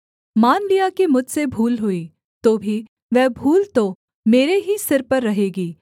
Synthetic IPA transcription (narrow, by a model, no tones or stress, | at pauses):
maːnlijakemʊd͡ʒʱsebʱuːlɦʊiː | t̪oːbʱi | ʋɛɦbʱuːlt̪o | meːɾeɦisɪɾpɐɾːɐɦeːɡiː